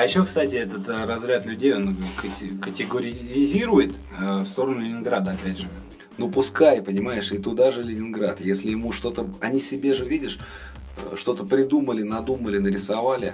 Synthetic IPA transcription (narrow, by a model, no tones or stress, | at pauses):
ɐjɪɕːo̞kst̪atʲɪɛt̪ət̪rɐzɾʲat̪lʲʉdʲejo̞nkətʲɪkətʲɪɡəɾʲɪzʲiɾʊjɪt̪ | əfst̪o̞ɾənʊlʲɪnʲɪnɡɾad̪əɐpʲædʲʐɨ | nupʊskajpənʲɪmajɪʂɪt̪ʊd̪aʐɨlʲɪnʲɪnɡɾat̪jesʲlʲɪjɪmuʂt̪o̞t̪əɐnʲisʲɪbʲe̞ʐɨvʲidʲɪʂ | ʂt̪o̞t̪əpɾʲɪd̪uməlʲɪnɐd̪uməlʲɪnəɾʲɪsavalʲɪ̰